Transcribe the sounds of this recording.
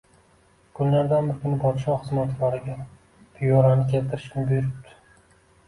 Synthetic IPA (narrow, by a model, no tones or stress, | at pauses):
kʰʊnlaɾd̪anbɪɾkʲʰʊnɪpʰɒt̪ɪʃɒχɨzmat̪ʰlaɾɪɡʲa | p̪ʰɪjɒɾanɪkʲelt̪ʰɪɾɪ̥ʃkʰʲɪnbʊjʊɾɪpt̪ʰɪ̥